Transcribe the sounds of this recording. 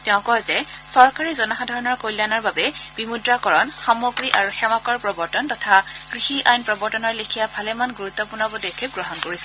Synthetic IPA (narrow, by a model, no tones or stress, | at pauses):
tɛʊ̃kɔzɛsɔɹkaɹizɔnaxadʱaɹɔnɔɹkojlanaɹbabɛb̥imudɹakɔɹɔnxamoɡɹiʔaɹuxɛmakɔɹpɹɔbɔɹtɔntɔtʰakɹixiʔajnpɹɔbɔɹtɔnɔɹlikʰijabʱalɛmanɡuɹut̪ːɔpʊɹnɔbɔdekʰep̚ɡɹɔɦɔnkoɹisɛ